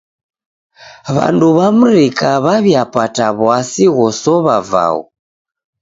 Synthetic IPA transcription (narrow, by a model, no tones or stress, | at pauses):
βa̰nduβamuɾikaβaβiapataβwasiɣɔsɔβava̰ɔ̰